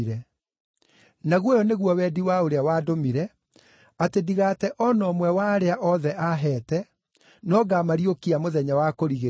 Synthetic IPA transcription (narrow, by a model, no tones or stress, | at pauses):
ɾɛ | naɣwɔjɔneɣwɔwɛdiwaoɾeawaːdomiɾɛ | atediɣatɛʔɔnɔːmwɛwaɾeaʔɔðɛʔaɦɛːtɛ | nɔɡamaɾijokiamoðɛɲawakoɾiɣe